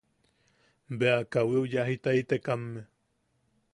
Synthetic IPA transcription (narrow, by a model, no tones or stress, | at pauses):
beakawiujaɦit̪ait̪ekamːe